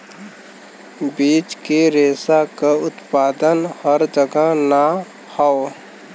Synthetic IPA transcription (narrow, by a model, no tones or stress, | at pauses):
biːt͡ʃkeɾeːsakaʊt̪paːd̪ənhəɾd͡ʒəɡəɦna | hao